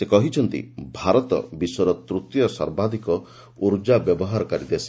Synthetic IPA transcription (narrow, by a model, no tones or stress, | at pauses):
sekɔɦit͡ʃʰɔnt̪ḭbʱaɾɔt̪ɔ̰bisɔɾɔt̪ɾut̪jɔsɔ̰ɾbad̪ikɔ | uɾd͡ʒabjɔbɔɦaɾɔkaɾid̪es